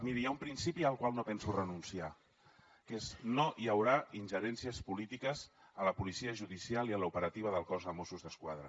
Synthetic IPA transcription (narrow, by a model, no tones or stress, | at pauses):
miɾijaumpɾinsipiəlˠkwalˠnopɛnsurənunsia | keznojəwɾainʲʒəɾɛnsiəspulit̪ikəzələpulisiəʒuðisialˠiələupəɾət̪iβ̞əðəlˠkɔzəmosuzðəskwaðɾə̰